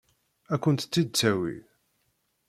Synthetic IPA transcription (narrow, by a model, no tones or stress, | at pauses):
ækʷːənt̪t͡sːid̪̚t͡sːæwḭ